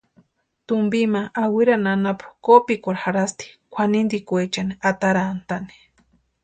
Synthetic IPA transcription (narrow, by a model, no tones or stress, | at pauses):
t̪umbimaʔːwiɾananapkopikʷaɾxaɾast̪i̥kʷʰanind̪ikʷet͡ʃaniat̪aɾaːnt̪ani̥